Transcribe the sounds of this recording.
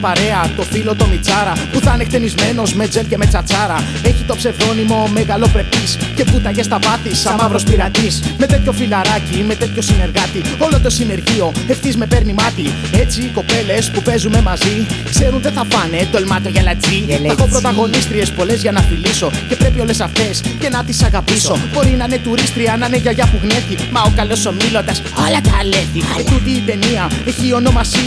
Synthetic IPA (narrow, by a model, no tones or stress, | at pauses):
pɐɾe̞ɐt̪o̞filo̞t̪o̞mit͡sɐɾɐpuθɐnekt̪e̞nizme̞no̞zme̞d͡zelce̞me̞t͡sɐt͡sɐɾɐ | e̞çit̪o̞pse̞vðo̞nimo̞meɣɐlo̞pɾe̞pisce̞put̪ɐcest̪ɐvɐθisɐmɐvɾo̞spiɾɐt̪isme̞t̪e̞t̪ço̞filɐɾɐcime̞t̪e̞t̪ço̞sine̞ɾɣɐt̪io̞lo̞t̪o̞sine̞ɾʝio̞e̞ft̪izme̞pe̞ɾnimɐt̪i | e̞t͡siːko̞pe̞le̞spupe̞zume̞mɐzikse̞ɾunðeθɐfɐned̪o̞lmɐt̪o̞ʝɐlɐt͡siθɐkopɾo̞t̪ɐɣo̞nist̪ɾie̞spo̞le̞zʝɐnɐfiliso̞ce̞pɾe̞pio̞le̞sɐft̪e̞sce̞nɐt̪isɐɣɐpiso̞b̥o̞ɾinɐne̞t̪uɾist̪ɾiɐnɐneʝɐʝɐpuɣne̞ftimɐokɐlo̞somilo̞nd̪ɐs | alɐt̪ɐlet̪it̪ut̪iːt̪e̞niɐe̞çiːo̞no̞mɐsi